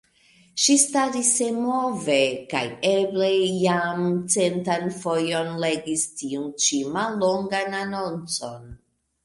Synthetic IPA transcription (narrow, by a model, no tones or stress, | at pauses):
ʃistaɾisemove̞ka̰jeble̞jamt͡se̞ntanfojo̞nle̞ɡistiunt͡ʃimalːoŋɡanano̞nt͡so̞n